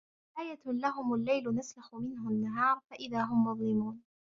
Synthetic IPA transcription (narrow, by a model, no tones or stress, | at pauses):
ʔaːjalaɦʊmalːajlʊnaslaxʊmɪnhʊnːaɦɑːɾˤfaʔɪðaːɦʊmːʊðˤlɪmuːn